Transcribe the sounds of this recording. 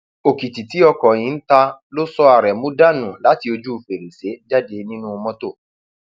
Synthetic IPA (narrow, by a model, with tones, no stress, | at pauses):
o˨ki˨ti˨ti˨˦ɔ˧kɔ˨j̃ĩ˨˦n̩˦ta˧lo˦sɔ˦a˨ɾɛ˨mũ˦da˦nũ˨la˨˦ti˧o˧d͡ʒu˦u˨fe˨ɾi˨se˨˦d͡ʒa˦de˧nĩ˦nũ˦˧mɔ̃˦to˦˨